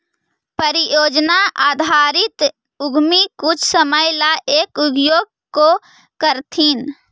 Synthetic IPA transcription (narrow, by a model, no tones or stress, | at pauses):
pəɾijoːd͡ʒnaʔaːd̪ʱaɾɪt̪ | ʊɡʱmikut͡ʃʰsəməjlaʔeːkuɡjoɡ̚ | ko | kəɾt̪ʰin